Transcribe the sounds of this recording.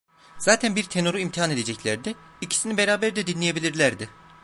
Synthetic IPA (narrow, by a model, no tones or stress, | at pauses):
z̥aːt̪ʰænbiɾt̪ʰe̞nuɾuimt̪ʰiɦane̞d̪ed͡ʒɛclʲæɾd̪ɛ | icʰi̥sinibe̞ɾaːbæɾd̪ɛd̪inlʲeje̞bilʲiɾlʲæɾd̪ɪ